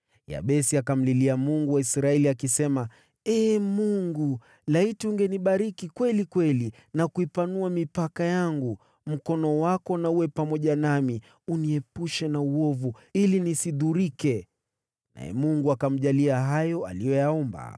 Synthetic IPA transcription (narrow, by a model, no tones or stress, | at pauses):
ja̰ɓɛsiakam̩liliamuŋɡuwaisɾaɛliakisɛma | ɛmuŋɡu | laitiuŋɡɛniɓaɾikikwɛlikwɛli | nakuipanuamipakajaŋɡu | m̩kɔnɔwakɔnauwɛpamɔʄanami | uniɛpuʃɛnauɔvu | ilinisiðuɾikɛ | na̰ɛ̰muŋɡuakam̩ʄaliaɦajɔa̰lijɔjaɔmba̰